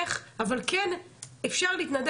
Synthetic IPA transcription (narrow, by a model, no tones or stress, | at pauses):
χavalkenefʃaʁliːt̪nad̪